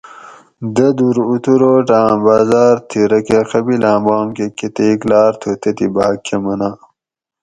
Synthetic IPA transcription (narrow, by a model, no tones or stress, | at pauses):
d̪ɐd̪uɾut̪uɾoːʈãːbaːzaːɾt̪ʰiɾɐkeqɐbilãːbaːmkeket̪eːklaːɾt̪ʰot̪ɐt̪ibaːkʰːemɐna